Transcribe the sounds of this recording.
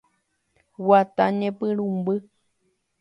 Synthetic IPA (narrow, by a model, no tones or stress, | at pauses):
wat̪aɲẽpɨɾũmbɨ